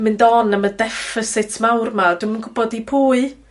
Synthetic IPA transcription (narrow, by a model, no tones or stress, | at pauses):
mɪndɔnəmədɛfɪsɪtʰmawrmad̥wmənɡʊbɔdipʰuːɨ